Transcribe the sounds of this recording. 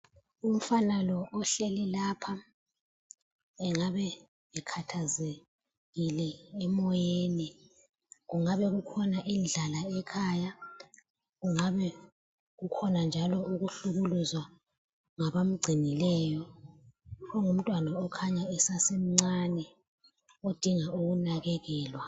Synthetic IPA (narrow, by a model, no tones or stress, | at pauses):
um̩fanalɔʔːɬɛlɛlaːpʰa | ɛŋaβɛ | βɛkʰatʰaze | ɣilɛɛmɔjeːni | ɣuŋaβɛɣukʰɔnaʔind͡ɮʱalaɛkʰaːja | ɣuŋaβɛ | ɣukʰɔnand͡ʒʱalɔuɣuɬuɣuluzwa | ŋaβam̩ɡ͡ǀʱinilɛjɔ | ɣɔŋum̩tʼwanaɔkʰaɲaɛsasem̩ŋ͡ǀanɛ | od̥ʱiŋaʔuɣunaɣɛɣɛːlwa